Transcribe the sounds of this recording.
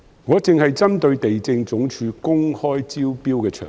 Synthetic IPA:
ŋɔː˨˧t͡sɪ˨ŋhɐ˨jt͡sɐ˥mt̪ɵ˧ɥt̪e˨jt͡sɪ˧ŋt͡sʊ˨˥ŋt͡ʃʰyː˨˧kʊ˥ŋhɔː˥jt͡siː˥wpiː˥wkɛː˧t͡ʃʰœː˨˩

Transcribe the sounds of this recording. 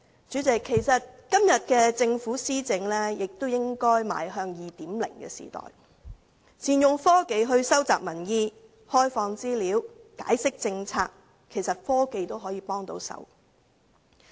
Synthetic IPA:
t͡ʃyː˨˥t͡sɪ˨kʰːe˨˩jsɐ˨t̚kɐ˥mjɐ˨t̚kɛː˧t͡sɪ˧ŋfuː˨˥siː˥t͡sɪ˨˥ŋlɛː˥jɪ˨k̚t̪o˥wjɪ˥ŋkɔː˥jma̰ː˨˥jɦœː˧ŋjiː˨t̪iː˨˥mlɪ̰˨˩ŋkɛ̰ː˧sḭː˨˩t̪ɔ̰ː˨˩j | t͡siː˨njʊ˨ŋfɔː˥ke˧jɦɵ˧ɥsɐ˥wt͡saː˨k̚mɐ˨˩njiː˧ | hɔː˥jfɔː˧ŋt͡siː˥liː˨˥wkaː˨˥jsɪ˥k̚t͡sɪ˧ŋt͡sʰa̰ː˧k̚ | kʰe˨˩jsɐ˨t̚fɔː˥ke˧jt̪o˥wɦɔː˨˥jiː˨˧pɔː˥ŋt̪o̰˧˥wsɐ̰˨˥w

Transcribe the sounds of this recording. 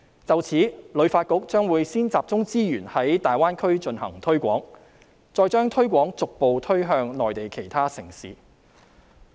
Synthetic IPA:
t͡sɐ˨wt͡sʰiː˨˥lɵ˨˧˥faː˧t̚kʊ˨˥k̚t͡ʃœː˥ŋwuː˨˧jsiː˥nt͡saː˨p̚t͡sʊ˥ŋt͡siː˥jyː˨˩nhɐ˨˥jt̪aː˨˩jwaː˥nkʰɵ˥ɥt͡ʃɵ˧nhɐ̰˨˩ŋt̪ʰɵ˥ɥkʷɔː˨˥ŋ | t͡sɔː˧jt͡ʃœː˥ŋt̪ʰɵ˥ɥkʷɔː˨˥ŋt͡sʊ˨k̚po˨wt̪ʰɵ˥ɥɦœː˧ŋnɔː˨jt̪e˨jkʰe˨˩jt̪ʰaː˥sɪ̰˨˩ŋsḭː˨

